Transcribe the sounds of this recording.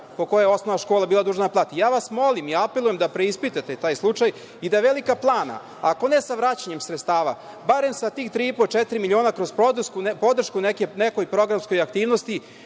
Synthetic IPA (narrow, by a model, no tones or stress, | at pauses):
po̞ko̞jejeo̞snoʋnaʃkoːlˠabiːlˠad̪uːʒnaplˠaːt̪ijaːʋasmo̞limiapelˠujemd̪apɾeispit̪at̪e̞t̪aːjslˠut͡ʂaj | id̪aʋelikaplˠaːna̰ | ako̞ne̞saʋɾat͡ɕaɲe̞msɾet̪st̪aːʋa̰ | baɾe̞msat̪iːxt̪ɾiipot͡ʃet̪ɾimilʲio̞ːnakɾo̞zpod̪skunpo̞d̪r̩ʃkunekeneko̞jpɾo̞ɡɾamsko̞jakt̪iːʋnost̪i